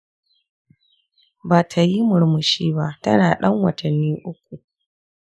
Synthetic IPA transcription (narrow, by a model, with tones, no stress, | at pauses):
baː˨tʰa˨ji˦mʊ˨ɾmʊ˨ʃiː˦ba˦tɐ˦naː˨ɗɐ˦ŋwɐ˨tʰɐ˨nːiː˦ʔʊ˦kʷu˨